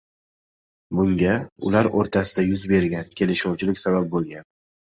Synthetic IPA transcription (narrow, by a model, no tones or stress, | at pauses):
bʊŋɡʲaʊ̰laɾoɾt̪ʰasɪd̪ajʊzbe̞ɾɡʲankʲʰe̞lɪʃɒwt͡ʃʰɪlɪkʲsabap̚bolˠɡʲan